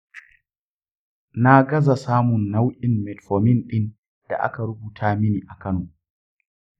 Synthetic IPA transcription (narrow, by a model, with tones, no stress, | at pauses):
na˦ɡɐ˦za˨saː˦mʊ˨nːa˦wʔʲɪ˨mːɛ˨tfoː˨mɪ˦nɗɪ˦n | d̥a̰˨ʔa̰˦ka˨ɾʊ˦buː˨tʰaː˦mɪ˦niː˨ʔa˨kɐ˦noː˨